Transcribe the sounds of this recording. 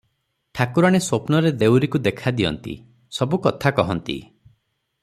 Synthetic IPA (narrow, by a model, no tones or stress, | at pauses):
ʈʰakuɾaɽ̃esopnɔɾed̪ewɾikud̪ekʰad̪iɔ̰nt̪ḭ | sɔbukɔt̪ʰakɔɦɔnt̪ḭ